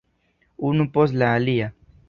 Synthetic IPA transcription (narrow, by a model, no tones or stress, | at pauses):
unupos̬laːlia